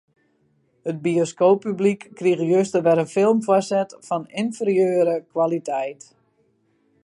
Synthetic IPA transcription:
hət̚bioskoːpyblikːrixjøstəʋɛɾənfɪlˠmfwɔsɛtfɔnɪnfərjøːɾəkwalitʰɛjt

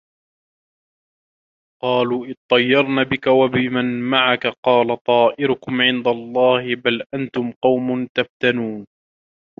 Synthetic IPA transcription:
qɑːluːʔɪð̚t̪ˤɑjːɑɾˤnaːbɪkawabɪmanmaʕakaqɑːlat̪ˤɑːʔɪɾʊkʊmʕɪnd̪alˤːɑːhɪbalʔant̪ʊmqɑwmʊnt̪aft̪anuːn

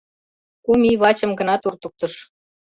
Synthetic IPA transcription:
kumiβɑt͡ɕə̆mɡə̆nɑt̪urt̪uk̚t̪ɤ̆ʃ

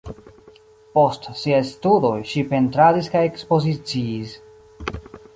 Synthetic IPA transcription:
po̞stsiajstudo̞jʃipe̞ntɾadiskaje̞kspo̞zit͡siːs

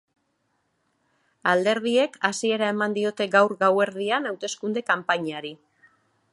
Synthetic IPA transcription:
ald̪e̞ɾð̞ie̞kasie̞ɾae̞mand̪io̞t̪e̞ɡawɾɡawe̞ɾðianawt̪e̞skund̪e̞kampaɲaɾi

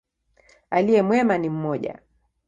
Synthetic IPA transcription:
aliɛmwɛmanim̩mɔʄa̰

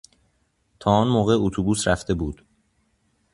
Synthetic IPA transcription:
t̪ʰɒːɔːnmoːɣe̞ot̪ʰubuːsɾæft̪e̞buːd̪̥

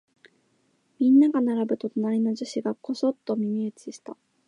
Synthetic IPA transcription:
mʲĩnːaɡanaɾabɯ̟t̪ot̪onaɾʲino̞ʑɨɕiɡako̞so̞t̪ːo̞mʲimʲiet͡sɨ̥ɕi̥t̪a

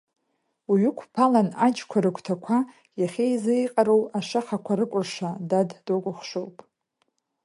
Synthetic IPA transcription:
uɥʏkʷʰpʰalanad͡ʒkʷʰaɾɨkʷʰʼtʰakʷʰa | jaχʲejzɨjqʼaɾowaʂaχakʷʰaɾɨkʷʼʊrʂadaddokʷʼʊχʂowpʼ

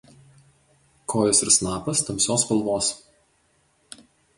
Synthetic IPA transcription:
kʰoːjɔsɪɾsnɑːpɐst̪ɐmʲsʲoːspɐlˠʋoːs

